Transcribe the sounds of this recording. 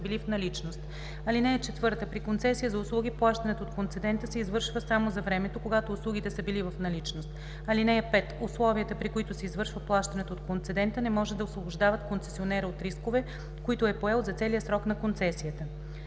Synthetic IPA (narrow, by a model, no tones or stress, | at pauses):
bilifnɐlit͡ʃnost̪ | ɐlinɛjɛt͡ʃɛt̪vɤɾt̪əpɾikont̪sɛsijəzɐʊslˠuɡiplˠaʃt̪ɐnɛt̪oːt̪kont̪sɛd̪ɛnt̪əsɛizvɤɾʃvəsamozɐvɾɛmɛt̪okoɡat̪oːslˠuɡ̟it̪ɛsəbilivɐfnɐlit͡ʃnost̪ | ɐlinɛɛpɛt̪ʊslˠɔviət̪əpɾikoit̪ʊsɛizvɤɾʃvəplˠaʃt̪ɐnɛt̪oot̪kont̪sɛd̪ɛnt̪ənɛmɔʒɛd̪d̪ɐosvobʊʒd̪avɐt̪kont̪sɛ̥sionɛɾəot̪ɾiskovɛ | koit̪ʊɛpoɛlˠzɐt̪sɛliəsɾɔknɐkont̪sɛsijət̪ə